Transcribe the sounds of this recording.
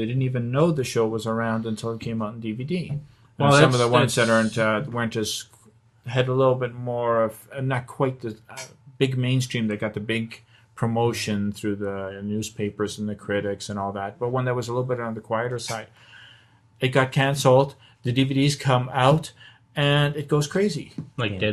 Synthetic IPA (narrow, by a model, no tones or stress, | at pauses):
ðeɪdɪdⁿn̩tivɨ̃nːoʊðɨʃoʊwʌzə˞ãʊ̃ndɨ̃ntʰɪlˠət̚kʰẽɪ̃maʊɾn̩dividĩ | sʌ̃mʌvðəwʌ̃nzðɨɾɜ˞ntʌwɜ̃˞nɨs | ɨɾəlɪɾl̩ˠbɪt̚mɔɹʌv̥ɨ̃nːət̚kʰw̥aɪt̪̚ðɨʌb̥ɪɡ̚mẽɪ̃nstɹ̥ĩmðɨt̚ɡ̥ɑt̪̚ðɨbɪɡ̚ | pʰɹ̥əmoʊʃɨ̃nθɹʉðənʉz̥pʰeɪpə˞z̃n̩ðɨkʰɹ̥ɪɾɪksɨ̃nɔlˠðæt̚b̥ʌt̚wə̃nðət̚wʌzəlɪɾl̩ˠbɪɾn̩ðɨkʰw̥aɪɨɾə˞saɪd̥ | ɨt̚ɡ̥ɑt̚kʰæ̃nsl̩ˠt | ðɨdividiz̥kʰʌ̃maʊɾ | ɨ̃nɨt̚ɡ̥oʊz̥kʰɹ̥eɪzilaɪ